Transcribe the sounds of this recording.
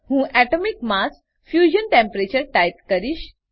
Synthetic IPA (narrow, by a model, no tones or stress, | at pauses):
hũʔæʈomikmas | fjuʑənʈẽmpɾet͡ɕəɾʈajt̪kəɾiːɕ